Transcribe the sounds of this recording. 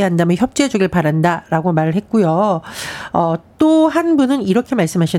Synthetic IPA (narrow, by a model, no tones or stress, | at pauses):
eɦandamjʌnçjʌp̚t͡ɕ͈ed͡ʑʌɡɯɭpaɾandaɾaɡomaɾɯɭɦe̞t̚k͈ujo | ʌt͈oɦanbunɯniɾʌkʰe̞maɭs͈ɯmɦaɕʰi